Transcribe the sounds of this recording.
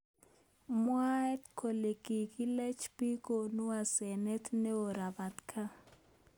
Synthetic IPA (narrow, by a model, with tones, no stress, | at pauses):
mwa˦tkʰo˨le˨kʼi˨kʼi˦le˦t͡ʃʰpi˦kʼo˨nu˦wa˨sɛ˨nɛ˦tʰnɛ˦ʊ˨ɾa˨ba˨tkʰa˦